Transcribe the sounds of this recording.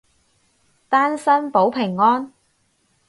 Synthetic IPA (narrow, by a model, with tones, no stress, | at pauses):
t̪aː˥nsɐ˥npo˨˥wpʰɪ˨˩ŋːɔː˥n